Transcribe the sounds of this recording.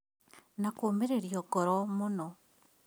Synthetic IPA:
nakoːmeɾeɾjɔɡɔɾɔmunɔ

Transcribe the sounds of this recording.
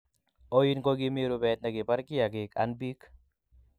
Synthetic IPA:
oinkoɡimeːɾobɛːt̪̚nɐɡipɐɾkijaɡeːkɐ̰nbik

